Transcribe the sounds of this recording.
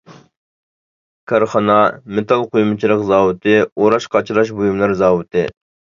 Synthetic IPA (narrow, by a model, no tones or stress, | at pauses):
kʰɑɾχɑnɑmet̪ʰɑlˠqʰojmɨt͡ʃʰilˠəqzɑːwɨt̪ʰɨoɾɑʃqʰɑt͡ʃʰilˠɑʃ̬bujumlˠɑɾzɑːwɨt̪ʰɨ